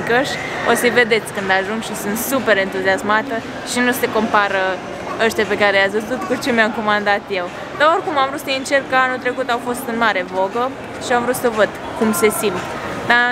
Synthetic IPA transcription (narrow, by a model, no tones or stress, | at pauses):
kəʃ | osəjve̞d̪e̞t̪sʲkɨnd̪aʒuŋɡʃisɨnt̪supe̞ɾe̞nt̪uziasmat̪ə | ʃinuse̞ko̞mpaɾə | əʃt̪jape̞kaɾelasvəzzut̪kut͡ʃe̞mjamkomand̪at̪je̞w | d̪ao̞rkumamvɾut̪səjint͡ʃe̞rkkəanut̪ɾe̞kut̪awfo̞st̪ɨnmaɾe̞vo̞ɡə | ʃiamvɾut̪səvəd̪ | kumse̞simp | d̪a